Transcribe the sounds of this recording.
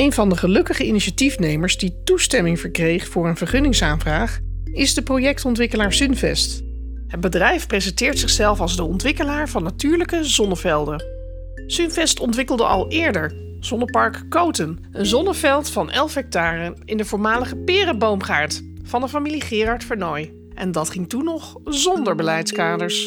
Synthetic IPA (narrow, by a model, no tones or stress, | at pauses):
ejnvɑndəχəlɵkəχəiniʃatifnejməɹzditustɛmɪŋvəɹkrejχfʊːɹənvəɹχɵnɪŋsaːnvraːχ | ɪzdəprowjɛk̚tɔntʋɪkəlaːɹsʏnvɛst | ɦəd̚bədrɛjfprezəntɪːɹtsɪχsɛlˠfɑlˠzdəɔntʋɪkəlaːɹvɑnːatyːɹləkəzɔnəvɛlˠdə | synvɛstɔntʋɪkəlˠdə̰ʔɑ̰lˠʔɪːɹdəɹ | z̥ɔnəpɑɹkːowtən | ənzɔnəvɛlˠtfɑnʔɛlˠfɦɛk̚taːrənɪndəvʊːɹmaːləχəpɪːrəbowmχaːɹt | fɑndəfamiliχɪːrɑɹtfəɹnɔj | ʔɛ̰ndɑtχɪŋtunːɔχ | zɔndəɹbəlɛjtskaːdəɹs